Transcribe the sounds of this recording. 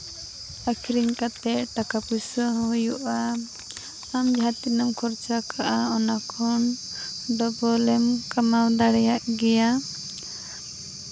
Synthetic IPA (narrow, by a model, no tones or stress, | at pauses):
akʰiɾiŋkat̪ɛʔʈakapusɔɦɦujuʔa | amd͡ʒʱat̪inɔmkʰɔɾt͡ʃakaʔaɔnakʰɔn | ɖɔbɔlɛmkamawd̪aɽɛjaʔɡɛja